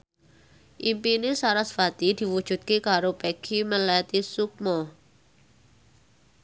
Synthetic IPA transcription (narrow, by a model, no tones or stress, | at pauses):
ʔimpinɪsaɾasfat̪id̪̥i̤wud̥ʒ̥ṳt̪̚kekaɾopekʰiməlɛt̪isuk̚mɔ